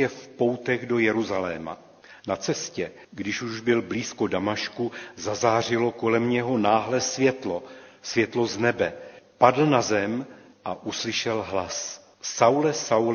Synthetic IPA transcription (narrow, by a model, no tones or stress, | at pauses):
ɛfpo̞wt̪ɛɣdo̞jɛɾuzalɛːma̰ | nat͡sɛscɛ | ɡdɪʃuʒbɪlbliːsko̞damaʃkuzazaːr̝ɪlo̞ko̞lɛmɲɛɦo̞naːɦlɛsvjɛt̪losvjɛt̪lo̞znɛbɛpadl̩nazɛm | ʔaʔuslɪʃɛlɦlas | sawlɛsawl